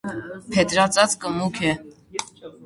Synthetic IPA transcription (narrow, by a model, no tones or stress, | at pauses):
pʰɛt̪ɾɑt͡sɑt͡skəmukʰɛ